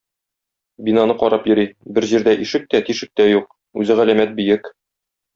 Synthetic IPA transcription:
binɑnɤqɒɾɑpjɵ̆ɾibɘɾʑiɾd̪æʔiʃɘk̚t̪æt̪iʃɘ̆k̚t̪æjuq̚ | ʉzɘʁælæmæt̪̚bĭjɘk

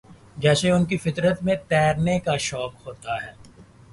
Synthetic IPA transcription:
d͡ʒɛːseʊnkifɪt̪ɾət̪mẽt̪ɛːɾnekaʃɔːkɦoːt̪aɦɛː

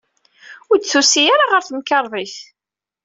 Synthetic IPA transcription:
ʊɾd̪θusijaɾaʁəɾθmkɑɾˤðˤiθ

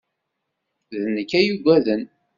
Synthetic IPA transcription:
ðnəkːæjuɡʷæðən

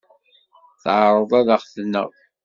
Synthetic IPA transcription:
θʕɾˤəðˤaðəχθənːə̰ʁ

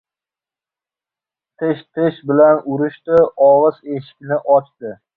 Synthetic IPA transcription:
t̪ʰɪʃt̪ʰɪʃbɪlanʊɾɪʃt̪ɪɒʁɨzeʃɪ̥kʲnɪʔɒt͡ʃd̪ɪ

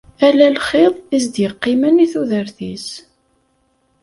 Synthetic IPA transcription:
ælælχɪðˤizd̪jəqːiməniθuðəɾθis

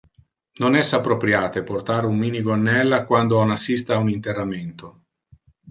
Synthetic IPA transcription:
nonɛsːapːɾopɾjaːt̪eport̪aːɾummiːniɡonːɛlːakwand̪oɔnasːist̪aːunint̪erːament̪o

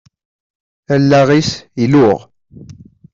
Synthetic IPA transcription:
ælːæʁisilʊʁ

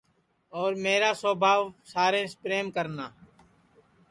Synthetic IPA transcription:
ɔːɾmeːɾaːsoːbʱaːʋsaːɾẽːspɾeːmkəɾnaː

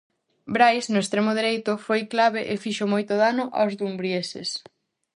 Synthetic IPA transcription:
bɾajsnʊest̪ɾemʊðeɾejt̪ʊfojklaβeʔefiʃomojt̪ʊðanʊʔa̰wzðumbɾjesḛs

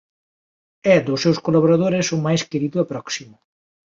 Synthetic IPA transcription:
ɛd̪ʊsːewskolaβoɾaðoɾesʊmajskeɾiðʊɐpɾɔksimʊ

